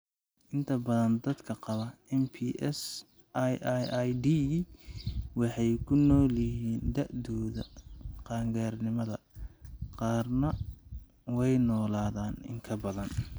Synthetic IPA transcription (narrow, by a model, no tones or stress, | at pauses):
ʔɪnt̪ʰɐbɐðɐnd̪ɐd̪kʰɐqɑβɐɛmpʰiʔɛs | jjajd̪i | wɑħɑjkʰʊnɔːlɪɦiːnd̪ɐʕd̪ɔːðɐqɑːŋɡaːrnɪmɐðɐ | qɑːrnɐ | wɛjnɔːlaːðaːnɪ̰ŋkʰɐbɐðɐn